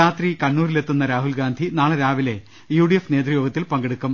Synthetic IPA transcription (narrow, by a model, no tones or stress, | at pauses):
aːt̪rikɐɳːuːrilet̪ːunːɐɾaːɦulɡaːnd̪ʱinaːɭɐɾaːʋile̞ | juːɽijefne̞ːd̪rijoːɡɐt̪ːilpɐŋɡeɽukːum